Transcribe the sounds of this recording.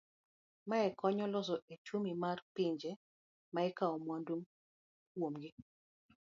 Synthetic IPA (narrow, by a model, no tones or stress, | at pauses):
maɛkɔɲɔlɔsɔʔet͡ʃumimarpɪɲd͡ʒɛ | maɛkaɔmwandum | kwomɡɪ